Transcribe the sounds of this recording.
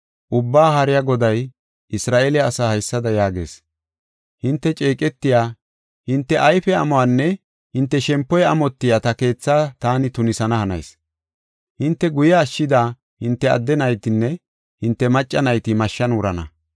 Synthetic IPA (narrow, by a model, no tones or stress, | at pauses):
ʔʊbːaːɦɐɾɪjaɡɔd̪ɐj | ʔɪsɾaːʔeːlɛɐsaːhɐjsːɐd̪ɐjaːɡe̞̰ːs | hɪnt̪ːɛt͡ʃʼeːkʼɛt̪ːɪjaː | hɪnt̪ːɛʔɐjfɛɐ̰mɔwanːɛ | hɪnt̪ːɛʃɛmpːɔjɐmɔt̪ːɪjaːt̪ɐke̞ːt͡sːaːt̪aːnɪt̪ʊnɪsɐnɐhɐnɐ̰js | hɪnt̪ːɛɡʊjaːʃːɪd̪aː | hɪnt̪ːɛɐ̰d̪ːɛnɐjt̪ɪnːɛ | hɪnt̪ːɛmɐt͡ʃʼːɐnɐjt̪ɪmɐʃːɐnʊɾɐnɐ